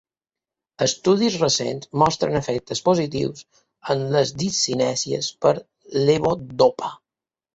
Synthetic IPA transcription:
əst̪uðizrəsḛnzmɔst̪ɾə̰nəfɛk̚t̪əspuzit̪ḭws | ənləzd̪isinɛsiə̰spəɾ | leβod̪opa

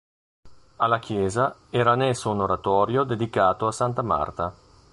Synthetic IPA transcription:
alːak̟jɛːzaɛːɾanɛsːounoɾat̪ɔːɾjod̪ed̪ikaːt̪oasant̪ama̰rt̪a

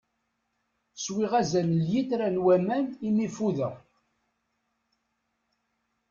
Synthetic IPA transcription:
swiʁæzænəljiθɾænwæmænimifuðəʁ

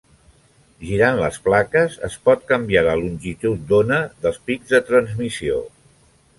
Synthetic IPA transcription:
ʒiɾanlə̰splakəzə̰spɔt̪̚kəmbjaləlunʲʒit̪ut̪̚d̪onəðəlˠspiɡzðət̪ɾənzmisio̰

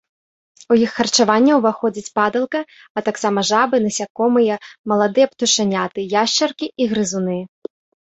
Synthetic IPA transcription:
ujixːɐrt͡ʂavanʲːɐwvaxɔd͡zʲit͡sʲpad̪ɐlˠkɐ | ɐt̪aksamɐʐabɨnɐsʲakɔmɨjɐmɐlˠad̪ɨjɐpt̪uʂanʲat̪ɨjaʂt͡ʂɐrkʲiiɣɾɨzunɨ

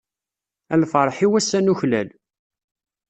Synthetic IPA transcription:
ælfəɾˤħiwæsːænuçlæl

